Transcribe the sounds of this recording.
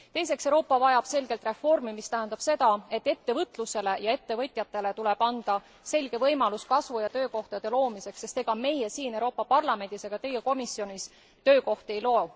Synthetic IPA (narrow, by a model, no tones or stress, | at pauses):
t̪e̞jse̞ksewɾo̞ːpːˑɑvɑjɑb̥se̞lɡ̥e̞lt̪re̞fo̞rmimist̪æɦænd̪ɑb̥se̞d̪̥ɑe̞t̪ːe̞t̪ːe̞vɤt̪ˑluse̞le̞jɑe̞t̪ːe̞vɤt̪ʲˑjɑt̪ːˑe̞le̞t̪ule̞b̥ɑnd̪̥ɑ | se̞lʲɡ̥e̞vɤjmɑluskɑsvujɑt̪ø̞ːko̞ht̪ɑd̪̥e̞lo̞ːmise̞ksːe̞st̪e̞ɡ̥ɑme̞jesiːnewɾo̞ːpːˑɑpɑrlɑme̞nd̪̥iseɡ̥ɑt̪e̞jeko̞misijo̞nʲis | t̪ø̞ːko̞ht̪e̞jlo̞ː